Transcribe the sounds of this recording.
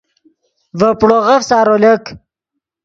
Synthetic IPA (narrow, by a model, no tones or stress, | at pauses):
vəpɽoʁəfsaːɾolek